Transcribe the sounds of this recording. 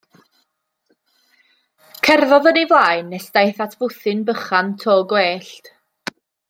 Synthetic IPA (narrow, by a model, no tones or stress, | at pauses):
kʰɛrvɔðənivlˠaːjnːɛsd̥ajθatʰvʊθɨnbəχantʰoːɡweːɬt